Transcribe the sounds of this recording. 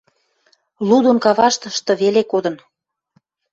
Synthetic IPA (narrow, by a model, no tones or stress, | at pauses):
lud̪onkɑβɑʃt̪ə̆ʃt̪ɤ̆βelekod̪ə̆n